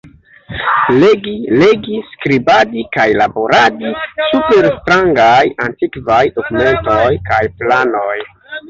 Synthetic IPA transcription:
leɡile̞ɡiskɾibadikajlabo̞ɾadisupe̞ɾstɾaŋɡajantikvajdokume̞ntojkajplano̞j

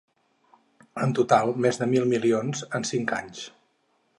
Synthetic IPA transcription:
ənt̪ut̪alˠmezðəmilˠmilionzənsiŋka̰ɲs

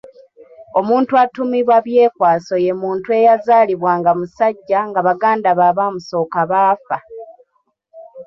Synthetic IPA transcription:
o̞muːntuatumiβwaβje̞ːkwaːso̞je̞muːntue̞jazaːliβwaːŋɡamusaɟːaŋɡaβaɡaːndaβaβamuso̞ːkaβaːfa

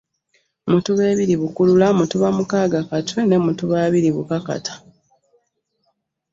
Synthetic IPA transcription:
mutuβe̞ːβiɾiβukululamutuβamukaːɡakatʰwene̞mutuβaːβiɾiβṵkaka̰tʰḁ

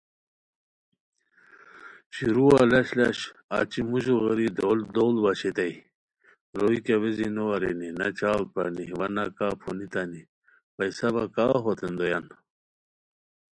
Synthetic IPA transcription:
ɕiɾualɐɕlɐɕa̰t͡ɕimuʑuɣɐɾid̪old̪oːlbɐɕet̪ɐi | ɾoikaʋezinoɐɾḛninɐt͡ɕaːl̚paniʋɐnakaːpʰonit̪ani | pɐjsɐbɐkaːɦot̪ʰend̪ojɐn

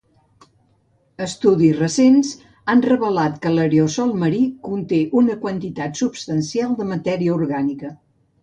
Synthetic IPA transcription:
əst̪uðizrəsenz | anrəβəlat̪kələɾeosɔlˠməɾikunt̪eʔunəkwənt̪it̪at̪supst̪ənsialˠd̪əmət̪ɛɾiəuɾɣanikə

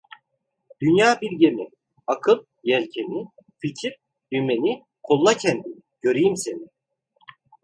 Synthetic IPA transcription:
d̪̥ynjaːbilʲɟemi | akʰɯlˠ | jælʲcʰenificʰiɾ | jyme̞ni | kʰolˠːacʰɛnd̪i | ɟ̥ø̞ɾijimse̞ni

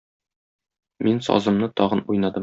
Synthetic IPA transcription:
minsɒ̰zɤ̆mnɤt̪ɒʁɤnujnɑd̪ɤ

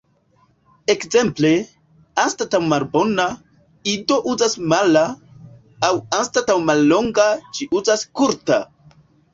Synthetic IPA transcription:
e̞kze̞mple̞ | anstatawmalbo̞na | ido̞ʔuzasmalaː | wanstatawmalːo̞ŋɡat͡ʃiuzaskuɾta

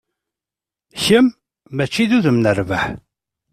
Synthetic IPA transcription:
çəmː | æt͡ʃːiðuðəmnərvəħ

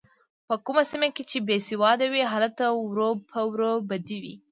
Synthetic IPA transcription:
pəkumasimaket͡ʃebesiwɑd̪awiɦɑlat̪awɾopʰəwɾobad̪iwḭ

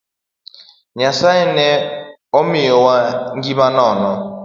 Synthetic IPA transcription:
ɲasainɛ | ɔmijɔwaŋɡiβanɔːnɔ

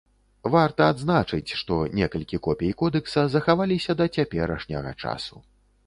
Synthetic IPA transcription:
vart̪ɐad̪znat͡ʂɨt͡sʲʂt̪ɔnʲɛkɐlʲkʲikɔpʲejikɔd̪ɛksɐzɐxavalʲisʲɐd̪ɐt͡sʲapʲɛɾɐʂnʲɐ̰ɣɐ̰t͡ʂa̰su

